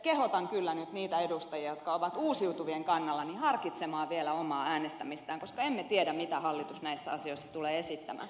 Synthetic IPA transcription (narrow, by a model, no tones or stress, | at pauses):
kehot̪ɑŋkylːænyt̪niːt̪æedust̪ɑjiɑjot̪kɑoʋɑt̪uːsiut̪uʋieŋkɑnːɑlːɑnihɑrkit̪semɑːʋielæomɑːæːnest̪æmist̪æːŋkoskɑemmet̪iedæmmit̪æhɑlːit̪usnæisːæɑsioisːɑ̥t̪uleːesit̪ːæmæ̰ː